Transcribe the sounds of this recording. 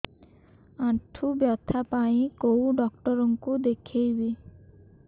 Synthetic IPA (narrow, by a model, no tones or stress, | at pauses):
aʈʰubjɔt̪ʰapaĩkowɖɔkʈɔɾɔŋkud̪ekʰejbi